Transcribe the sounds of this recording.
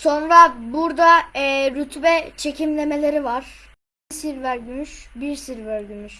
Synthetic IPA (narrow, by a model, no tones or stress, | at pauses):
so̞nɾabuɾd̪aɾyt̪ʰbɛt͡ʃʰe̞cimlʲe̞me̞lʲe̞ɾivaɾ̥ | siɾvæɾɟymyʃbiɾsiɾvæɾɟymyʃ